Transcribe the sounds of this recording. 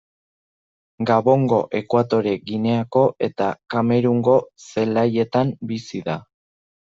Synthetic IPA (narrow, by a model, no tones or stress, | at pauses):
ɡaβo̞ŋɡo̞ʔe̞kwat̪o̞ɾe̞ɡine̞ako̞ʔe̞t̪akame̞ɾuŋɡo̞se̞laje̞t̪ambisiða